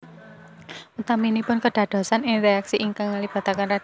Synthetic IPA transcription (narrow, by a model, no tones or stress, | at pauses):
ut̪aminipʊnkəɖ̥a̤ɖ̥ɔ̤sanɪŋreaksiʔiŋkaŋalib̥a̤t̪akanra